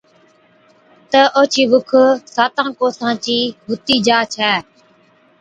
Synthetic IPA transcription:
t̪əʔoːt͡ʃʰiːʋʊkʰsaːt̪ãːkoːsãːt͡ʃiːɦʊt̪iːd͡ʒaːt͡ʃʰɛː

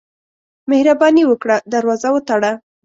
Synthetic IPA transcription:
mehɾabɑniwəkɽad̪aɾwɑzawət̪aɽa

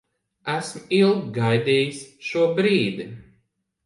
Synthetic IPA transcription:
æsmilˠɡɡajd̪iːjisʃuɔbɾiːd̪i

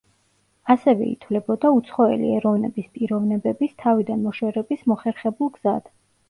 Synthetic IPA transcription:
asɛvɛ̰ḭt̪ʰvlɛbɔd̪aut̪sʰχɔɛ̰lḭɛɾɔvnɛbispʼiɾɔvnɛbɛbist̪ʰavid̪anmɔʃwɛɾɛbismɔχɛɾχɛbulˠɡz̥ad̪̥

